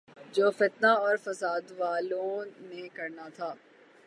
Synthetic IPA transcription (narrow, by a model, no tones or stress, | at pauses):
d͡ʒoːfɪt̪naɔːɾfɐsaːd̪ʋaːlõnekɐɾnat̪ʰaː